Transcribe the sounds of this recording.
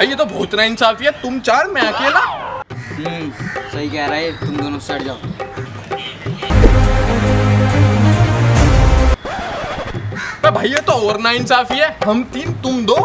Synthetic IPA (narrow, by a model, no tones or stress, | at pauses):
bʱaːjet̪obʱoːt͡ʃ̪naɪnsaːfiɦɛt̪ʊmt͡ʃaːɾmɛ̃akelaːɦsɐɦikɛɦɾaːet̪ʊmd̪ɐnoːsɐɽd͡ʒaːo | pɛbʱaːjet̪oɔːəɾnaɪnsaːfiɦɛɦɐmt̪iːnt̪ʊmd̪oː